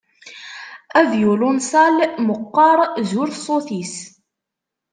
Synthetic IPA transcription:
æðjulʊnsɑlməqːɑɾˤzʊɾsˤoθis

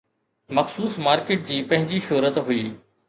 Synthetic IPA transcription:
mɐxsuːsmaːɾkeːʈ̚d͡ʑiːpɐ̃ɦɪ̃ɲd͡ʑiʃʊːɾət̪ɦʊiː

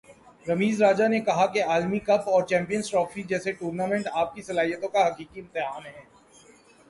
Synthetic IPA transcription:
ɾɐmiːzɾaːd͡ʒanekɐɦakeaːlmikɐbɔːɾt͡ʃɛ̃ːmpijənsʈɾɔːfid͡ʒɛːseʈuːɾnaːmɛ̃ɳʈaːp̚kisɐlaːɦijət̪õkaɦɐkiːkiɪmt̪ɪɦaːnɦɛ̃ː

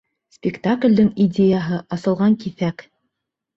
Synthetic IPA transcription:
spʲɪkt̪aklʲd̪ɘŋidʲejaɦɤʔɑsɤ̆lˠʁɑŋkiθæk

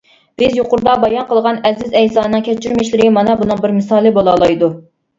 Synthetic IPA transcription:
b̥ɪzjoqʊɾd̪ɑbɑjɑnqəlˠʁɑnɛzɪzɛjsɑːnɨŋkʲʰɛt͡ʃʰːiɾmɪʃlɪɾɪmɑnɑbunɨŋbɪɾmɨsɑːlˠɨbolˠɑlˠɑjd̪u

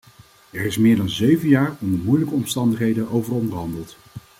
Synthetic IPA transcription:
ɛɹɪsmɪːɹdɑnzøɥvənjaːɹɔmdəmujləkəɔmstɑndəχɦejdəʔowvəɹɔndərɦɑndəlˠt

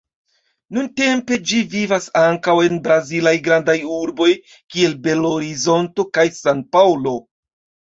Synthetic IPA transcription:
nunte̞mpe̞d͡ʒivivasaŋkawe̞nbɾazilajɡɾandajuɾbo̞j | kie̞lbe̞lo̞ɾizo̞nto̞kajsanpawlo̞

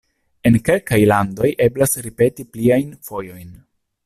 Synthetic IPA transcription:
e̞nke̞lkajlando̞jʔe̞blasɾipe̞tipliajnfo̞jo̞jn

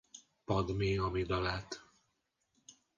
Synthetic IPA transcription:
pɒd̪meːɒmid̪ɒlaːt̪

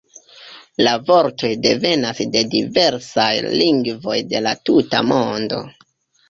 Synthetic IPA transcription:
lavo̞ɾto̞jde̞ve̞nasde̞dive̞ɾsajliŋɡvo̞jde̞latuta̰mo̞ndo̞̰

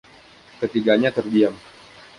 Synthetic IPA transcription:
kət̪iɡaɲat̪ərɡiam

